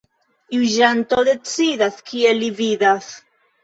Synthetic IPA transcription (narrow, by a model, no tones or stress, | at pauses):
uʒant̪o̞d̪e̞t͡sidaskʰielividas